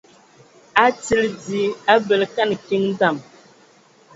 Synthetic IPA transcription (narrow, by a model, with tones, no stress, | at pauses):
a˦t͡si˦ld͡zi˨a˦bə˨lka˦˨nki˦ŋn̩˦da˦˨m